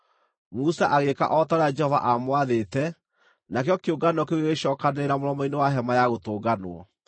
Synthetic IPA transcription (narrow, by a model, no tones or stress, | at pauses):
musaʔaɣeka̰ʔɔtaɾead͡ʒɛhɔva̰ʔamwaðetɛ | nakjɔkeoɡanɔkeɣeɣeʃɔːkaneɾamoɾɔmɔinewaɦɛmajaɣotoːɡanwɔ̰